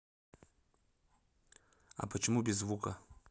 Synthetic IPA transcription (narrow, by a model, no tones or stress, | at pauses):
a̰pʰat͡ʃʰimubʲizvukʼa